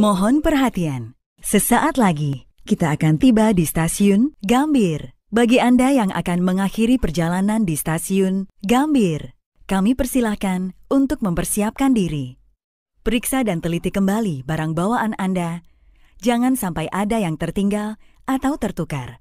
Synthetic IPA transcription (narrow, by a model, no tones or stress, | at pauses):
mɔɦɔnpərɦat̪ian | səsaʔat̪laɡikit̪aːkant̪ibadist̪asiʊnɡambɪr | baɡiandajaŋʔa̰kanməŋaxiɾipərd͡ʒalanandist̪asiʊnɡambɪr | kamipərsilahkanunt̪ʊk̚məmpərsiap̚kandiɾi | pəɾiksadant̪əlit̪ikəmbalibaɾaŋbawaːnanda | d͡ʒaŋansampajʔadajaŋt̪ərt̪iŋɡalʔat̪awt̪ərt̪uka̰r